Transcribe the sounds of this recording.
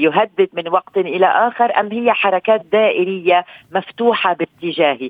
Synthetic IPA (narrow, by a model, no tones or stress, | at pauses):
jʊɦad̪ːɪd̪mɪnwɑqt̪ʔɪla̰ʔaːxɪɾˤʔa̰mːhɪjːaħɑɾˤɑkaːt̪̚d̪aːʔɪɾɪjːamaft̪uːħabɪt̪ːɪʒaːhi